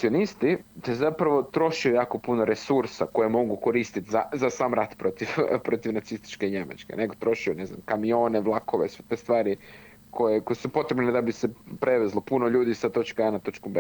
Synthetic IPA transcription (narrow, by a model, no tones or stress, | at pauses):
sio̞nist̪id̪aszapɾɐʋo̞t̪ɾo̞ʃijujaːko̞punoɾe̞suɾsako̞jemo̞ɡuko̞ɾiːst̪it̪zazasaːmɾat̪pɾo̞t̪iʋpɾo̞t̪iʋnat̪sist̪i̥t͡ʃke̞iɲema̰t͡ʃkḛne̞ɡo̞t̪ɾo̞ʃijune̞zna̰mkamio̞ːne̞ʋlˠakoʋḛsʋet̪est̪ʋaːɾi | kʰo̞jeko̞jesupo̞t̪ɾebned̪abise̞pɾe̞ʋezlˠopuno̞ʎuːd̪isat̪o̞t͡ʃkaanat̪o̞t͡ʃkombe